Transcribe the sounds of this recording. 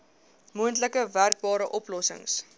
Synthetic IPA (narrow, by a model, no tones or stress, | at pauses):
muəntləkəværk̚bɑːɾəʔɔplɔsə̰ŋs